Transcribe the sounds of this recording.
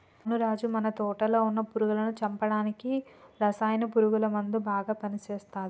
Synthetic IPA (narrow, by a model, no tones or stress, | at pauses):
nuɾaːd͡ʒumɐnɐt̪ɔːʈɐlo̞ːunːɐpuɾuɡulɐnut͡ʃɐmpɐɽaːnikiɾɐsaːjnɐpuɾuɡulɐmɐnd̪ubaːɡaːpɐnit͡ʃeːst̪aːd̪i